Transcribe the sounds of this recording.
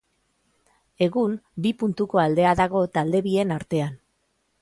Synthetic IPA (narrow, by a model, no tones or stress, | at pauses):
e̞ɣumbipunt̪uko̞ald̪e̞aðaɣ̞o̞t̪ald̪e̞βie̞naɾt̪e̞an